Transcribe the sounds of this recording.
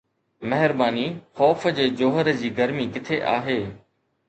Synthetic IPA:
mɐɦɪɾbaːnixɔːfəd͡ʑeːd͡ʑoːɦəɾd͡ʑiːɡəɾmikɪt̪ʰeʔa̰ːɦeː

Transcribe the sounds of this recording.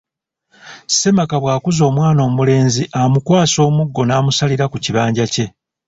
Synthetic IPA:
se̞makaβwaːkuzo̞ːmwaːno̞ːmule̞ːnziʔamukwaːso̞ːmuɡːo̞naːmusaliɾakuciβaːɲɟace̞

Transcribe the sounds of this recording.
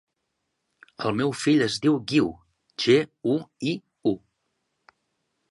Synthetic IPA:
əlˠmɛwfiʎəzðiwɣiw | ʒeui | u

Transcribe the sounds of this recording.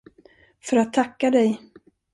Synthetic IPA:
fœɾat̪ʰːakːad̪ɛj

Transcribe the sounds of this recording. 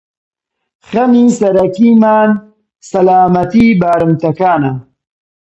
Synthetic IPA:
χɐmiːsɐɾɐkiːmaːn | sɐlaːmɐt̪iːbaːɾɨmt̪ɐkaːnɐ

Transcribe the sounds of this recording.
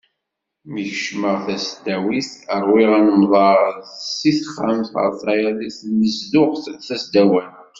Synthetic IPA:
miçʃməʁθæsd̪æwiθəɾˤwiʁænəmðˤɑɾsiθχːamθə̰ɾˤθˤɑjæðiθnəsðʊʁθθæsd̪æwæn

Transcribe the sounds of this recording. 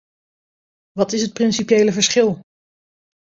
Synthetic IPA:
ʋɑtɪsɦət̚prɪnsipjejləvəɹsχɪlˠ

